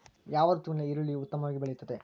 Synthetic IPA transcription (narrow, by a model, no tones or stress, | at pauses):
jaːʋɐd̪ɐt̪umleiɾuɭiut̪ːɐmɐʋaːɡibeɭɛjut̪ːɐd̪e